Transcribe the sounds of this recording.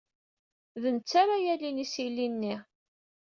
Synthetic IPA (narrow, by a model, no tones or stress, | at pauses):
ðənt͡sːaɾajælinisilːinːi